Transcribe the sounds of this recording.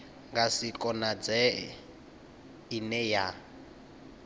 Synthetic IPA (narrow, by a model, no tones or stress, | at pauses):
ŋɡasikʼɔnad͡zɛ | inɛja